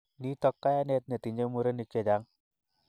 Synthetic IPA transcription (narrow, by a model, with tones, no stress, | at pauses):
ni˦tɔ˦kːa˦ja˦nɛ˦t̪̚ne˨ti˨ɲd͡ʒe˦mu˦ɾe˦ni˨t͡ʃːe˨da˦ŋ